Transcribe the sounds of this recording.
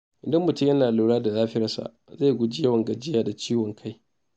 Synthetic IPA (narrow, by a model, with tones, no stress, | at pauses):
ʔɪ˨dɐ˦mːʊ˨tʊ˦jɐ˦naː˨luː˨˦ɽaː˦da˨zaː˦ɸɪ˦ɐ˦sa̰˨ | za˦˨jɡʷʊ˦d͡ʒi˦jɐ˦wɐ˨ŋɡɐ˨d͡ʒɪ˦jaː˨da˨t͡ʃiː˦wɔ˨ŋkʰa˦j